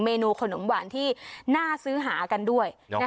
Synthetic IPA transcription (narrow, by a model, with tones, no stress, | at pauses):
meː˧nuː˧kʰo˧no˨˩˦mwaː˨˩nt̪ʰiː˥˩naː˥˩sɯː˦˥ɦaː˩˦ka˧ndu˥˩əj